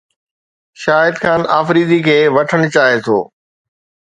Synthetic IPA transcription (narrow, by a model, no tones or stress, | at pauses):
ʃaːɪd̪xaːnaːfɾiːd̪ikʰeːʋɐʈʰəɽ̃t͡ɕaːɦet̪ʰo̰ː